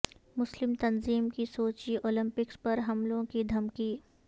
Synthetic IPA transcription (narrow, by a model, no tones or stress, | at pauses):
mʊslɪmt̪ɐnziːmkisoːt͡ʃioːlɪ̃mpɪkspɐɾɦɐmlõkid̪ʱɐmkiː